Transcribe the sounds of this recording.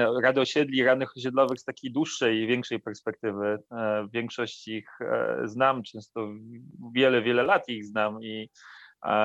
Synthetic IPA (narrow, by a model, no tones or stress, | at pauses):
ɾad̪ɔɕɛd̪lʲiɾanɘxɔɕ̬ɛd̪lɔvɘxst̪akʲejd̪wuʂːɛjvʲjɛŋkʂɛjpɛɾspɛk̚t̪ɘvɘvʲjɛŋkʂɔɕt͡ɕixznamt͡ʂɛ̃w̃st̪ɔvʲjɛlɛvʲjɛlɛlat̪iɣznami